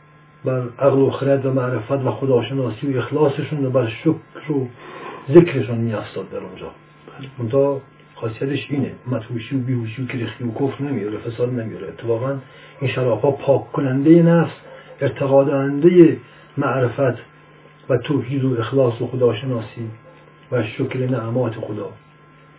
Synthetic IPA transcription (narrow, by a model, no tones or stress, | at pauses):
bæɾʔæɣloxeɾæt̪væmæʔɾefæt̪væxod̪ɒːʃenɒːsiːoexlɑːseʃunɾobæɾʃokɾozekɾeʃunmiːjæfst̪ɒːd̪̚ːæɾund͡ʒɒ̰ː | mont̪ʰɑ | xɒːsijæt̪eʃiːnḛmæt̪huːʃiobiːhuːʃ̬iokeɾext̪iokʰofɾnæmijoɾefesɒːd̪næmijoɾeːt̪ʰːefɒːɣæn | inʃæɾɒːfhɒːpʰɒːkʰːonænd̪ejenæfseɾt̪ʰeɣɒːd̪æænd̪eje | mæʔɾefæt̪ʰ | væt̪ʰohiːd̪oexlɑːsoxod̪ɒːʃenɒːsiː | væʃokɾenææmɒːt̪ʰexod̪ɒː